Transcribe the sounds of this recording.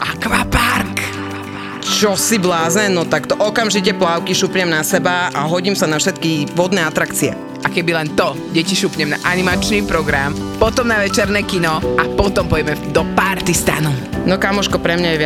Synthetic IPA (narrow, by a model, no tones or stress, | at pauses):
ʔakʋapaɾk | t͡ʃɔsiblaːznɛnɔt̪akt̪ɔʔɔkamʒicɛplaʊkiʃupɲɛmnasɛbaaɦɔɟimsanafʃɛt̪kiʋɔd̪nɛːat̪ɾakt͡siɛ̰ | ʔakɛbilɛnt̪ɔ | ɟɛciʃupɲɛmna̰ʔanimat͡ʃniːpɾɔɡɾampɔt̪ɔmnaʋɛt͡ʃɛɾnɛːkinɔʔapɔt̪ɔmpɔjɛmɛd̪ɔpaɾt̪ist̪a̰nunɔkamɔʃkɔpɾɛmɲajɛʋ